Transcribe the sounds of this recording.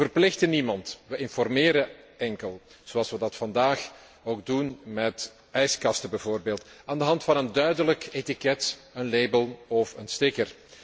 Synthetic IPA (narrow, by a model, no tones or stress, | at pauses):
vərplɪxtənimɑntʋəʔɪnfɔrmeːɾəɛŋkəlˠz̥oɑlˠsʋədɑtfɑndaːx | oːɡ̚dunmɛt | ɛjskɑstəbɛvoːrbeːlˠtaːndəɦɑntfɑnəndœɥdələketikɛtənleːbəlˠɔfənstɪkər